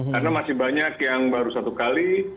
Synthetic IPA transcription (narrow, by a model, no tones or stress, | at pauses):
karnamasɪhbaɲakjaŋbaɾusat̪ukali